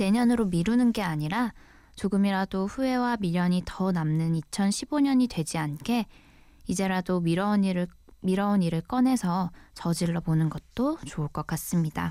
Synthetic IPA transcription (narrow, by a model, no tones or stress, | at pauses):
ne̞ɲʌnɯɾomiɾunɯnɡe̞aɲiɾa | t͡ɕoɡɯmiɾadoɸue̞wamiʎːʌɲitʌnamnɯnit͡ɕʰʌnɕʰiboɲʌɲidwe̞d͡ʑiankʰe̞ | id͡ʑe̞ɾadoɾʌnmiɾʌuniɾɯɭk͈ʌnɦe̞sʰʌt͡ɕʌd͡ʑiɭːʌbonɯnɡʌt̚t͈ot͡ɕoɯɭk͈ʌk͈as͈ɯmɲida̰